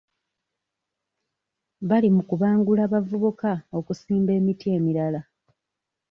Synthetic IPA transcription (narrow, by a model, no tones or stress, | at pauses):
βalimukuβaːŋɡulaβavuβukao̞kusiːmbe̞ːmitie̞ːmiɾala